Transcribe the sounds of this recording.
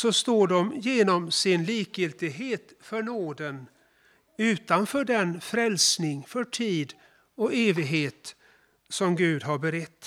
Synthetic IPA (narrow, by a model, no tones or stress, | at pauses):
sɔst̪oːɖɔmjeːnɔmsɪnliːkjɪlt̪ɪɡɦeːt̪fœɳoːd̪ən | ʉ̟ːt̪anfœːɖɛnfɾɛlsnɪŋfœʈʰiːd̪ | ɔeːvɪɡɦeːt̪ | sɔmɡʉ̟ːd̪ɦaɾbɛɾɛt̪ː